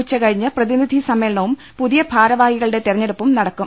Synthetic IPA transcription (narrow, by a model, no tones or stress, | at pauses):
t͡ɕːɐkɐɻiɲːɨprɐðinid̪ʱisɐmːeːlɳɐʋum | puðijɐbʱaːɾɐʋaːɡiɣɐɭɨɽe̞t̪irɐɲːeɽupːumnɐɽɐkːu